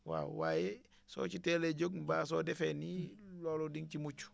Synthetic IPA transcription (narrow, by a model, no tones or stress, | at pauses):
wa̰ːw̰waːjɛ | sɔ̰ːt͡ʃitɛleɟoɡbaːsɔːdɛfɛnilɔːlɔdiŋt͡ʃimut͡ʃu̥